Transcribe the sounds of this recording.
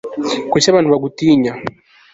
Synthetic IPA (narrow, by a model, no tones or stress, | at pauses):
kusaβanuβaɡutiɲa